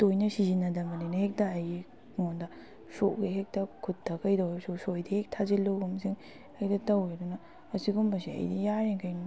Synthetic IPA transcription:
tojnɐsizinɐdɐmɐnɐjnɐhek̚tɐːjɡi | ŋondɐ | soʔɡiɦek̚tɐkʰutʰːɐkɐjdɐwesosojdihek̚tʰaziloɡumsiŋ | ɐjdɐtɐweɾunɐː | siɡumbɐsiɐ̰jdijaɾeŋkʰɐjn

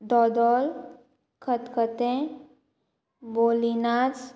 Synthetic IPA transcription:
d̪ɔd̪ɔl | kʰət̪kʰət̪ẽ | bolinat͡s

